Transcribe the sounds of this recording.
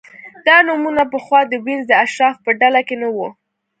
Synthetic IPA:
d̪̥ɑnumunapəxwɑd̪əwinzd̪əaʃɾɑfpəɖalakenəwu

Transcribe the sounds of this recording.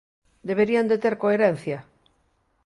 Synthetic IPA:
d̪eβ̞eɾiand̪et̪eɾkoeɾen̟θjɐ

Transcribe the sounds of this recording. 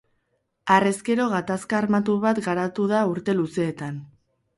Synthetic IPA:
are̞ske̞ɾo̞ɣat̪askaːɾmat̪uβat̪ɡaɾat̪uð̞auɾt̪e̞luse̞ːt̪an

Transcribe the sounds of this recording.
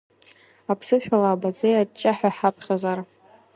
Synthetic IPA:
apʰsɨʃᶣalaːbad͡zʼejad̚t͡ʃʼaħaħapʰχʲazar

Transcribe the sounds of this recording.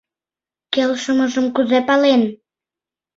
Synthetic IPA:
kelʃəməʒəmkuzepɑlen

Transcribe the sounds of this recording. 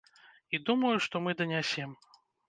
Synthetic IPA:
id̪umɐjuʂt̪ɔmɨd̪ɐnʲasʲɛm

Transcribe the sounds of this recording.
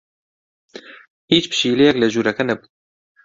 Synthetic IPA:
hiːt͡ʃpɨ̥ʃiːlɛjɛklɛʒuːɾɐkɛnɛbu̥

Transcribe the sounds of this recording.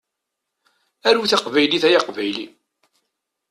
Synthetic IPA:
æɾuθɑqvæjliθæjaqvæjlḭ

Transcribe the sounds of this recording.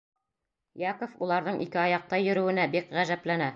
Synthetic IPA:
jɑkofulˠɑɾðɤɴʔḭkɘɑjɑq̚t̪ɑjɵ̆ɾɵ̆wɘ̆næbikʁæʒæplænæ

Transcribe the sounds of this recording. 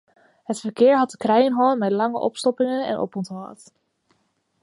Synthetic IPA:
ɦətfəɹkɪːɹɦɑtəkrɛjənɦɔləmɛtlɑŋə̰ʔɔ̰pstɔpɪŋənɛ̰nʔɔ̰pɔntɦɑ̰ːt

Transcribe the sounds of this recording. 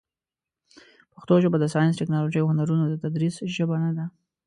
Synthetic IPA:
paxt̪oʒəbad̪əsɑjɪnsʈɪknɑloʒəjawhʊnaɾunod̪ət̪ad̪ɾisʒəbanad̪a

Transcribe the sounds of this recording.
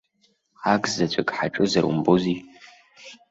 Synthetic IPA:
aːɡzɐt͡ʃʷʼɐkʼħaʈ͡ʂʼɨzɐrṵmboziː

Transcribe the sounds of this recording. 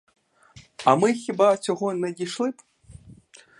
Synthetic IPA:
ɐmɨxʲibasʲɔɣɔnɐdʲiʂlˠɨp

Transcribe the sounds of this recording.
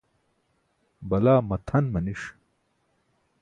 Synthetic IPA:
bɐlaːmɐt̪ʰɐnmɐniʂ

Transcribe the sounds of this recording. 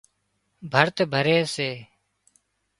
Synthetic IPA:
bʱəɾt̪bʱəɾeːseː

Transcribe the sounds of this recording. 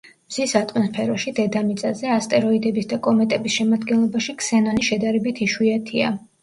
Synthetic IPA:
mz̥isat̪ʼmɔnspʰɛɾɔʃid̪ɛd̪amit̪sʼazɛast̪ʼɛɾɔid̪ɛbisd̪akʼɔmɛt̪ʼɛbisʃɛmad̪ɡɛnlˠɔbaʃiksɛnɔniʃɛd̪aɾɛbit̪ʰiʃwiat̪ʰia̰

